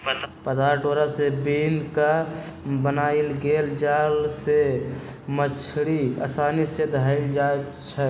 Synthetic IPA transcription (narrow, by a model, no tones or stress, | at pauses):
pəd̪aɾʈoɾasebenka | bənailɡeld͡ʒalse | mət͡ʃʰɽiə̰sanised̪ʱaɪld͡ʒae | t͡ʃʰɛ